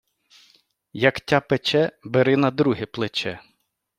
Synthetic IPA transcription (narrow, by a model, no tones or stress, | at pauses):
jɐktʲapet͡ʃɛbeɾɪnɐd̪ɾuɦɪplˠɪt͡ʃɛ